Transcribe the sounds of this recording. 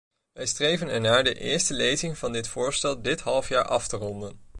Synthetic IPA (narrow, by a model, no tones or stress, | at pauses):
ʋɛjstrejvənɛɹnaːɹdəʔɪ̰ːɹstəlejzɪŋv̥ɑndɪtfʊːɹstɛlˠdɪtɦɑlˠəfjaːɹʔɑftərɔndən